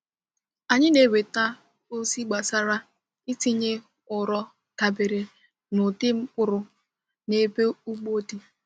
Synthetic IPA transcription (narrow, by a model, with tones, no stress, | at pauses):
a˨ɲɪ˦ne˨we˨ta˦ | o˦si˦ɡ͡ba˨sa˦ɾa˦ | ɪ˦ti˦ɲe˦ | ʊ˨ɾɔ˦ | ka˨bɪ˨ɾe˨ | nʊ˨dɪ˦ŋ͡m̩˦k͡pʊ˨ɾʊ˨ | ne˦be˦u˦k͡po˦di˦